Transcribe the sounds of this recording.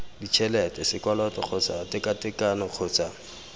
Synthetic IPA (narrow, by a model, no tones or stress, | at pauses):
dit͡ʃʰɛlɛtɛsɪkwalɔtɔk͡xʰʊt͡sa̰tɪkatɪkanɔq͡χʰʊːt͡sa